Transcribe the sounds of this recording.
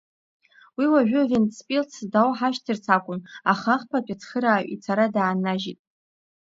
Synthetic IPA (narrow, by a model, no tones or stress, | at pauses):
wiwaʒʷᶣʊvent͡sʰpʼilt͡sʰdawħaʃtʰɨrt͡sʰakʷʼʊnaχaχpʰapʲʼɪt͡sʰχəɾaːʔʷḭt͡sʰaɾadaːnaʒitʼ